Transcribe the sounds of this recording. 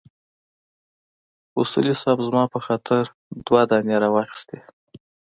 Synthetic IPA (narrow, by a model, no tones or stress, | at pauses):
usṵlisɑbzmɑpəxɑt̪ʰɪɾ | d̪wad̪ɑnjaɾɑwɑxi̥st̪e